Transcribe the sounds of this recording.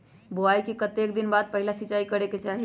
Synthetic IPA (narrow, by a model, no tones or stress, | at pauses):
boajkikət̪ek̚d̪inbad̪̚pəɦilasiːt͡ʃaikəɾeket͡ʃaɦi